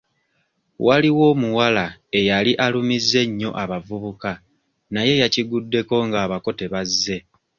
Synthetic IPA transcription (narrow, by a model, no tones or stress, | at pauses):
waliwo̞muwalae̞jaliʔalumizːe̞ɲːo̞̰ʔaβavuβuka | naje̞jaciɡudːe̞ko̞ŋɡaːβako̞te̞βazːe̞